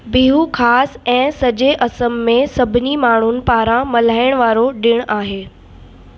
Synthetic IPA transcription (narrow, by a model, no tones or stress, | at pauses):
biɦukʰaːsɛ̃ːsɐʄeʔɐsəmːẽsɐbʱɪnimaːɳ̤ʊnɪ̆paːɾãmɐl̤aːɪɽ̃ʋaːɾoɗɪɽ̃aːɦeː